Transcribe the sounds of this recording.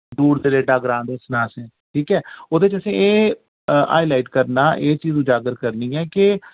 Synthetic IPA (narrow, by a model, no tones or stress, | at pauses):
d̪uːɽd̪eːleːɖaːɡɾãːnd̪esnãːsɛ̃ː | ʈʰiːkɛːoːd̪eːɪt͡ʃəsĩːeː | a̰ːjlaːɪʈkəɾnaːʔeːt͡ʃiːzũːd͡ʒaːɡəɾkəɾniːɛːkɪ